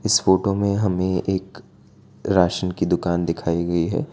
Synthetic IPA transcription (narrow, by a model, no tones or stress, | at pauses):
ɪsfoːʈomẽɦɐmẽeːk | ɾaːʃənkid̪ʊkaːnd̪ɪkʰaːiɡɐiɦɛ̰ː